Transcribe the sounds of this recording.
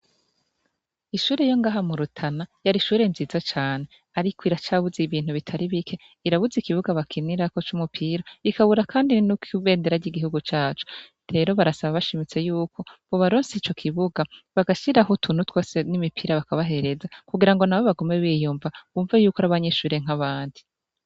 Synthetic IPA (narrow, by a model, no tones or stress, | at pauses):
iʃuːɾejo̞ŋɡaːɦamuɾutʰanajaɾiʃuːɾe̞nziːzat͡ʃaːne̞ | aɾikʰoiɾat͡ʃaβuziβiːn̥huβitʰaɾiβikʰe̞ | iɾaβuzikiβuɡaβakʰiniɾako̞t͡ʃumupʰiɾaikaβuɾakʰaːndinukuβe̞ːndeɾaɾɟiɡihuɡut͡ʃaːt͡ʃu̥ | ɾe̞ɾo̞βaɾasaβaβaʃimit͡se̞juːkʰo̞βoβaɾoːnsit͡ʃo̞kʰiβuɡaβaɡaʃiɾaɦutʰun̥utwoːsenimipʰiːɾaβakaβaɦe̞ɾe̞zakuɡiɾaŋɡo̞naβo̞βaɡome̞βiːjuːmvaβuːɱvajuːkaɾaβaɲe̞ʃuːɾe̞ŋ̥aβaːndi